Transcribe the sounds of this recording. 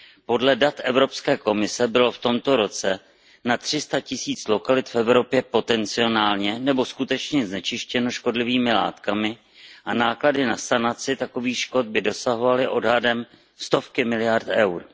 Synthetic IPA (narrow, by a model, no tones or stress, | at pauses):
po̞dlɛdat̪ʔɛvɾo̞pskɛːko̞mɪsɛbɪlo̞ft̪o̞mt̪o̞ɾo̞t͡sɛ | nat̪r̝̥ɪst̪acɪsiːt͡slo̞kalɪt̪fɛvɾo̞pjɛpo̞t̪ɛnt͡sɪo̞naːlɲɛnɛbo̞skut̪ɛt͡ʃɲɛznɛt͡ʃɪʃcɛno̞ʃko̞dlɪviːmɪla̰ːt̪kamɪ | ʔanaːkladɪnasanat͡sɪt̪ako̞viːxʃko̞t̪̚bɪdo̞saɦo̞valɪʔo̞dɦadɛm | st̪o̞fkɪmɪlɪjaɾt̪ʔɛwɾ